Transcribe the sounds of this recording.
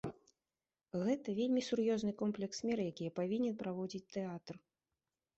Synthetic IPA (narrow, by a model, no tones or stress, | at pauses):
ɣɛt̪ɐvʲelʲmʲisurjɔznɨkɔmplʲɛksmʲɛɾɨjakʲijɐpavʲinʲɛnpɾavɔd͡zʲit͡sʲt̪ɛat̪r